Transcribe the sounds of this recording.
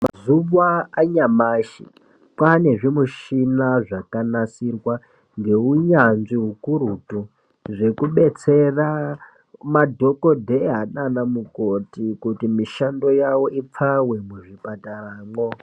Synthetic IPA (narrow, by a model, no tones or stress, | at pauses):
ma̰zuβaaɲamaʃḭ | kwane̞ʐimuʃinaʐakanasirwa | ŋɡe̞uɲanʐiɦukuɾutu | ʐe̞kuɓe̞t͡se̞ra | madʱo̞kodʱeɦananamukotikutimiʃando̞jawo̞ip͡fawe̞muʐipataraːŋɡo